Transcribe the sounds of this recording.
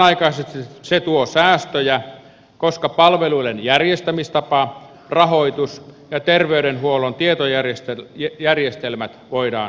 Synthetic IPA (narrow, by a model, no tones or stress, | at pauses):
ɑikɑːseset̪uosæːst̪øjæ | koskɑpɑlʋeluilenjærjest̪æmist̪ɑpɑ | rɑhoit̪usjɑt̪erʋeyɾenhuolont̪iet̪ojæresjærjest̪elmæt̪ʋoidɑː